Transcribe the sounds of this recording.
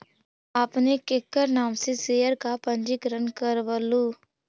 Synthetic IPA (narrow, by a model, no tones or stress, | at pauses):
aːpnekɪkːəɾnaːmseseːjəɾkapə̃nd͡ʒɪkɾənkəɾʋəluː